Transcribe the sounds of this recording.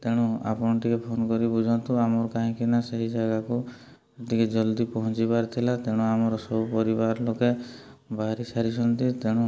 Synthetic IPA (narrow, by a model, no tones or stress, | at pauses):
t̪eɽ̃ũa̰pɔɽ̃ɔʈikepʰonkɔɾibud͡ʒʱɔnt̪uamɔɾɔkaɦĩkinaseɦid͡ʒaɡaku | eʈ̪iked͡ʒɔld̪ipɔɦɔ̃t͡ʃibaɾt̪ʰilat̪eɽ̃ũamɔɾɔsɔbupɔɾibaɾɔlokebaɾisaɾisʰɔnt̪it̪eɽ̃ũ